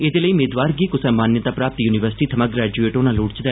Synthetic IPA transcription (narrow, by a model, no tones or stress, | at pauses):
ɪd̪eːləiːmeːd̪ʋaːɾɡiːkʊsɛ̃ːmaːnjət̪aːpɾaːp̚t̪juːnɪʋəɾsɪ̥ʈiːt̪ʰəmaɡɾɛːd͡ʒueːʈoːnãːluːɽt͡ʃd̪ɛː